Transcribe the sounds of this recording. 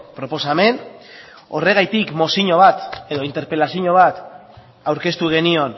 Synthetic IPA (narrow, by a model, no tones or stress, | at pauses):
pɾo̞po̞same̞n | o̞re̞ɣajt̪ikmo̞siɲo̞βat̪e̞ðoint̪e̞ɾpe̞lasiɲo̞β̞at̪ | awɾke̞st̪uɣ̞e̞nio̞n